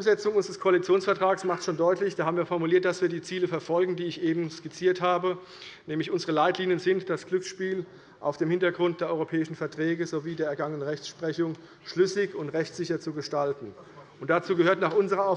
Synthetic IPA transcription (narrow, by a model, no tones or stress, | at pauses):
ʊmzɛt͡sʊŋʔʊnzəʁəskʰoalit͡sjoːnsfɛɐtʁ̥aːɡsmaχtʃoːndɔʏtlɪçd̥aːhaːm̩viːɐfɔɐmuliːɐt̚d̥asv̥iːɐdiːt͡siːləfɛɐfɔlɡŋ̩diːɪçʔeːbm̩skɪt͡siːɐthaːbə | nɛːmlɪçʔʊnzəʁəlaɪtliːnjənzɪntd̥asɡ̥lʏksʃpiːl | ʔa̰ʊfd̥eːmhɪntɐɡʁʊnt̚d̥eːɐɔʏʁopʰɛːɪʃn̩fɛɐtʁ̥ɛːɡəzoviːdeːɐɛɐɡaŋənəʁɛçt͡ssʃpʁ̥ɛçʊŋ | ʃlʏsɪçʊntʁɛçtsz̥ɪçɐt͡suɡəʃtaltn̩ʔʊnt̚d̥at͡suːɡəhøːɐtnaːχʔʊnzəʁɐaʊ